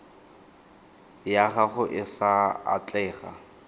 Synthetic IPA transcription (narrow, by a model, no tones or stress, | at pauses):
jaɣaχʊʔɪsaa̰t͡ɬʼɛːɣa̰